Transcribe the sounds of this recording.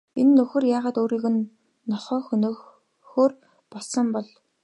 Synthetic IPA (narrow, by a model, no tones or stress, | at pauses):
enːɵxɘ̆rjaːʁaːt̪oːɾiːɣɘ̆nː | ɔχœːx | xoːr | pɔɮsə̆mpɔɮ